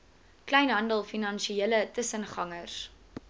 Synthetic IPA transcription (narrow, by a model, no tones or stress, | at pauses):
klɛjnɦɐndəlˠfinɐnʃielətəsənχɐŋərs